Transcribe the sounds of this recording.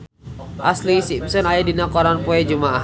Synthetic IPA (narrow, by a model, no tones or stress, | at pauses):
ʔaslisimsɔnajadinakɔɾanpuɛd͡ʒumaʔa